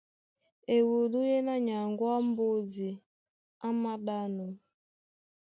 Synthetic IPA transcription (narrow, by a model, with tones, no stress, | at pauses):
e˨wu˨lu˦je˦na˦ɲa˨ŋɡwa˦m̩˦bo˦d͡zi˨ | a˦ma˦da˦nu˨